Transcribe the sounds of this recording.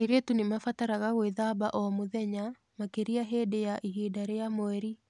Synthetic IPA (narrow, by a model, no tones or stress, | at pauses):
eɾetunemafataɾaɣaɣweðabaʔɔmoðɛɲa | makeɾiaɦedejaʔiɦedaɾejamɔɛɾi